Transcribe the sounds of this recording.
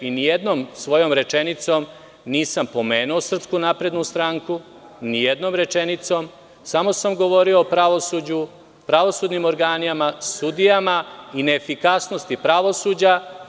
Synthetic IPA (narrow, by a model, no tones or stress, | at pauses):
inijed̪no̞ːmsʋo̞jo̞mɾe̞t͡ʃe̞nit̪so̞ːm | niːsampo̞meːnuosr̩pskunapɾe̞d̪nust̪ɾaːŋku | nijed̪no̞ːmɾe̞t͡ʃenit̪so̞ːm | samo̞samɡo̞ʋo̞ɾioːpɾaʋo̞sud͡ʑu | pɾaʋo̞suːd̪nimo̞ɾɡaːnijamasud̪ijamaine̞ːfikasno̞st̪ipɾaʋo̞suːd͡ʑa